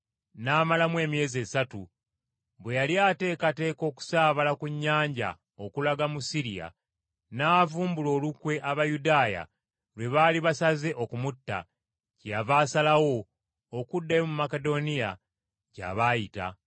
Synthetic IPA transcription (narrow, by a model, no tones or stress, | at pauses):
naːmalamwe̞ːmije̞ːze̞satu | βwe̞jaljaːte̞ːkate̞ːko̞ːku̥saːβalakuɲːaːɲɟa̰ | o̞kulaɡamusiɾija̰ | naːvuːmbulo̞ːlukwe̞ʔaβajudaːja̰ | lwe̞βaːliβasaze̞ʔo̞kumutːa̰ | cejavaːsalawo̞ː | kudːajo̞mumake̞do̞nija | ca̰βajita̰